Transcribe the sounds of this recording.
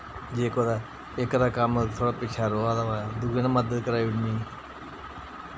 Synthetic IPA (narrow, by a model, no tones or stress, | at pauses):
d͡ʒeːkoːd̪aː | ɪkd̪aːkəmt̪ʰoːɽaːpɪt͡ʃʰaːɾoːaːd̪aʋad̪uɡenaməd̪əd̪kəɾaːɪɽniː